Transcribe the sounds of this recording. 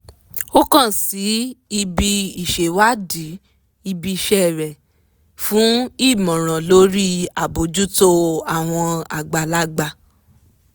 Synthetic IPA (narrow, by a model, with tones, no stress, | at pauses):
o˦kã˦˨si˨˦i˧bi˧i˨ʃe˨wa˦di˨˦ | i˧bi˧ʃɛ˦˨ɾɛ˨ | fũ˨˦i˦˨mɔ̃˨ɾ̃ã˨lo˨˦ɾi˦a˨bo˨˦d͡ʒu˦to˦a˦˨w̃ɔ̃˧a̰˨ɡ͡ba˨la˦ɡ͡ba˧